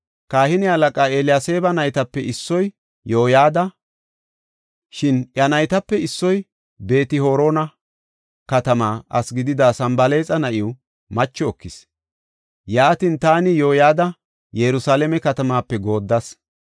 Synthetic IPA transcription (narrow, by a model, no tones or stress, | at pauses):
kaːhɪnɪhɐlɐkʼaːeːlɪjase̞ːbɐnɐjt̪ɐpːɛɪsːɔj | jo̞ːjaːd̪ɐ | ʃɪnʔjɐnɐjt̪ɐpːɛɪsːɔj | be̞ːt̪ɪho̞ːɾo̞ːnɐ | kɐt̪ɐmaːʔɐsɡɪd̪ɪd̪aːsɐmbɐle̞ːt͡sʼɐnɐʔɪw | mɐt͡ʃːɔɔkːɪs | jaːt̪int̪aːnɪjo̞ːjaːd̪ɐ | jɛɾʊsaːlɛmɛkɐt̪ɐmaːpːɛɡo̞ːd̪ːɐs